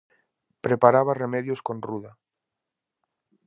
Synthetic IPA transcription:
pɾe̞paɾaβ̞aremeðjosko̞nruða

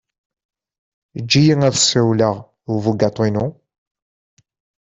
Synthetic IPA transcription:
d͡ʒːijiŋæðsiwləʁ | ʊvuɡɑt̪ˤːinu

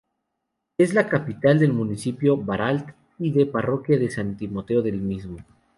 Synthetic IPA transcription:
e̞zlakapit̪ald̪e̞lmũnisipjo̞βaɾalt̪ | iðe̞paro̞kjaðe̞sant̪imo̞t̪e̞o̞ðe̞lmizmo̞

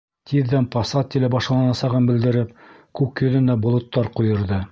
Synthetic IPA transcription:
t̪ʰiðːænpɑsɑt̪ʲːilɘbɑʃlˠɑnɑsɑʁɤnbɘ̆ld̪ɘ̆ɾɘp̚ | kʉkjɵ̆ðɘ̆nd̪æbŏlˠŏt̪ːɑɾqŭjɤ̆ɾðɤ

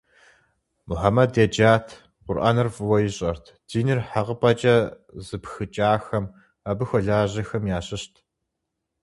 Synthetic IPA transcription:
mʊħamɐdeːd͡ʒaːtʰ | qʷʊrʔɐ̰nɨrvɨwɐjɪɕʼɐrtʰd̥iːnɨrħaʁəpʼɐt͡ʃʼɐ | zɨpxɨt͡ʃʼaːxɐm | ɐbɨxʷɔɮaːʑɐxɐmjaːɕɪɕtʰ

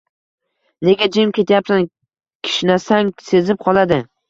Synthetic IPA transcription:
ne̞ɡʲad͡ʒɪmkʲʰe̞t̪ʰajapsan | kʲʰɪ̥ʃɪnasaŋse̞zɪp̚qʰɒlˠad̪ɪ

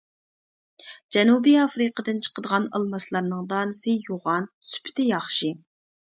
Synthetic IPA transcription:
d͡ʒɛnubiɑfɾɨqəd̪ɨnt͡ʃʰə̥qəd̪əʁɑnɑ̰lˠmɑslˠɑɾnɨŋd̪ɑːnɨsɨjoʁɑn | sy̥pʰɪ̥t̪ʰɪjɑχʃi

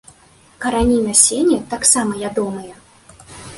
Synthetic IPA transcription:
kɐɾanʲinɐsʲenʲɛt̪aksamɐjʲad̪ɔmɨjɐ

